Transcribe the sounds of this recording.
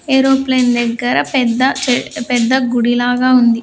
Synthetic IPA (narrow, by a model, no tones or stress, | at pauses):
eːɾoːplend̪ɛɡːɐɾɐpɛd̪ːɐt͡ʃpɛd̪ːɐɡuɽilaːɡaːund̪i